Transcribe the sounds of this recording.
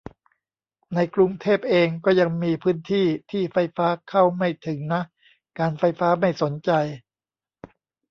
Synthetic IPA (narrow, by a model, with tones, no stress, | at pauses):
na˧jkɾu˧ŋt̪ʰeː˥˩p̚ʔeː˧ŋkɔː˥˩ja˧ŋmiː˧pʰɯː˦˥nt̪ʰiː˥˩t̪ʰiː˥˩fa˧jfaː˦˥kʰa˥˩wma˥˩jt̪ʰɯ˩˦ŋna˦˥ʔ | kaː˧nfa˧jfaː˦˥ma˥˩jso˩˦nt͡ɕa˧j